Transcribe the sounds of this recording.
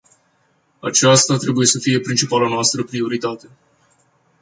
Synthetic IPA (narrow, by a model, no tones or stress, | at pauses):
a̰t͡ʃast̪at̪ɾe̞buje̞səfije̞pɾint͡ʃipalanoast̪ɾəpɾio̞ɾit̪at̪e̞